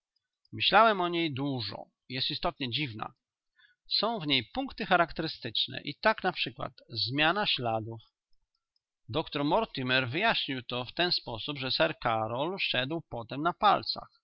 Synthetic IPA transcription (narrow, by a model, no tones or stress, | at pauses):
mɘɕlawɛmɔɲejd̪wuʐɔ̰ | ijɛst̪ist̪ɔt̪ɲɛd͡ʑivna̰ | sɔ̃w̃vɲejpuŋkt̪ɘxaɾakt̪ɛɾɘst̪ɘt͡ʂnɛ̰ʔit̪aknapʂɘkwa̰t̪zmʲjanaɕlad̪uf | d̪ɔkt̪ɔɾmɔɾt̪imɛɾvɘjaɕɲiwt̪ɔft̪ɛnspɔsubʐɛsɛɾkaɾɔlɕɛd̪wpɔt̪ɛmnapalt̪sa̰x